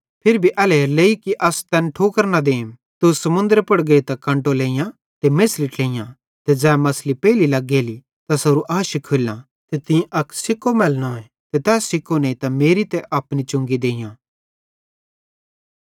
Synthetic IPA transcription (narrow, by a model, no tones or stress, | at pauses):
pʰɪɾbʱiʔɐːleleːikiʔɐst̪ɛnʈʰoːkəɾnad̪eːm | t̪usɐmʊ̃nd̪əɾpɐɽɡeit̪ɐkːɐ̃ɳʈoleːijã | t̪emesliʈlẽːjã | t̪ɛd͡zɛːmɐslipɛːlilɐɡːeːli | t̪asɐɾuʔaːʃikʰːolːã | t̪et̪ɪ̃ʔɐkʰsɪkːomɛːlnoɛ̃ | t̪ɛt̪ɛːsːɪkʰːoneit̪ameːɾit̪ɛʔɐːpnit͡ʃʊ̃ŋɡid̪ẽːjãː